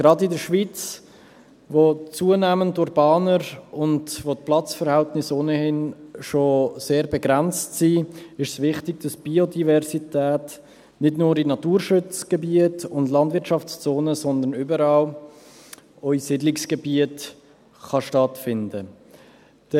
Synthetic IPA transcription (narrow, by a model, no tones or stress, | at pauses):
ɡ̥ɾɑdɪdəɾʃvit͡s | vot͡suənæːmənduɾbɑːnəɾʊndvot̚plɑt͡sfəɾhæltnɪsoːnəhɪnʃoseːɾbɛɡɾɛnt͡stsiːɪʃsvɪχtɪɡ̚d̥ɑsb̥iodivɛɾsitɛːt | nɪdnʊːɾɪnɑtuːɾʃʉt͡sɡ̥əbiətʊndlɑndvɪɾtt͡ʃʃɑft͡st͡soːnəsɔnd̪ənybəɾɑːl | ɔisɪdlɪksɡ̥əbiət | χɑʃtɑtfɪndə | d̥